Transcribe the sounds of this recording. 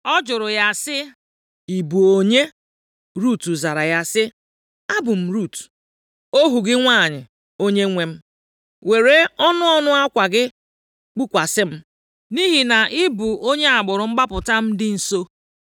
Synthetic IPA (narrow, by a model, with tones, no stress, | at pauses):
ɔ˦d͡ʒʊ˨ɾʊ˨ja˦sɪ˦ | i˨bu˨o˨ɲe˦ | ɾu˦˨tu˨za˨ɾa˨ja˦sɪ˦ | a˦bʊ˨m̩˨ɾu˦˨t | o˦ɦu˨ɡɪ˦ŋʷa˦˨ɲɪ˨ | o˦ɲe˦ŋʷe˨m̩˦ | we˨ɾe˦ɔ˦nʊ˦ɔ˦nʊ˦a˦kʷa˨ɡɪ˦ | k͡pu˦kʷa˨sɪ˦m̩˦ | ni˦ɦi˨na˨ʔɪ˦bu˨o˦ɲe˦a˨ɡ͡bʊ˨ɾʊ˨ŋ͡m̩˦ɡ͡ba˦pʊ˨ta˦m̩˦dɪ˦n̩˨so˦